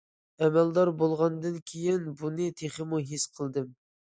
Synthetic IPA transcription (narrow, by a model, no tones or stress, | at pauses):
ɛmɛld̪ɑɾbolˠʁɑnd̪ɨnkʲʰejɪnbunɨt̪ʰeχəmuɦisqʰəlˠd̪ɨm